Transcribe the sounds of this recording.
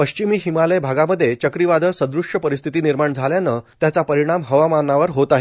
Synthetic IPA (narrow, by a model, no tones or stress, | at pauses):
pəɕt͡ɕimiːɦimaləjbʱaɡaməd̪ʱːjet͡ɕəkɾiʋad̪ʱəsə̃nd̪ɾuʂəpəɾist̪ʰit̪iːniɾmaɳd͡zʱaljanət̪jat͡sapəɾiɽ̃amɦəʋamanːaʋəɾɦot̪aɦe